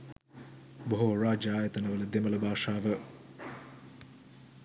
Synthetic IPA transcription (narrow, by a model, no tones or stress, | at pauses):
boɦoːraːd͡ʒɐaːjət̪ənəʋələd̪emələbʱaːʂaːʋə